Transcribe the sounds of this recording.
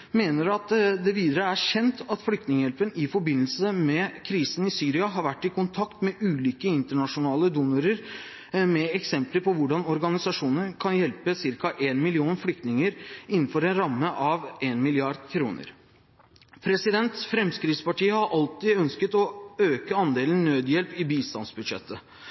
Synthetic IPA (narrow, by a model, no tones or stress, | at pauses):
meːnəɾɑt̪d̪ɛʋiːd̪əɾəæɕɛnt̪ʰɑt̪flʏkt̪nɪŋəjɛlpənɪfɔɾbɪnːl̩səmɛkʰɾiːsən̩ɪsyːɾɪɑɦɑɾʋæʈːɪkʊnt̪ʰɑkt̪mɛʔʉːliːkəɪnt̪əɳɑʂʊnɑːləd̪unɑɾəɾ | mɛɛksɛmpləpʰɔʋʊɖɑnɔɾɡɑnɪsɑʂuːnənkʰɑnjɛlpəsɪɾkɑʔeːnmɪlɪuːnflʏk̚t̪nɪŋəɾɪnːn̩fɔɾɛnɾɑmːəʔɑʋeːnmɪlɪɑɖd̪kʰɾṵːnə̰ɾ | pʰɾɛsɪd̪ɛnt̪fɾɛmskɾiːt̪spɑʈiːəhɑɾʔɑlt̪iːœnskət̪ɔøːkəɑnd̪eːlən̩nːøːd̪jɛlpɪbiːst̪ɑ̰nsbʉd̪ʂɛ̰t̪ʰːə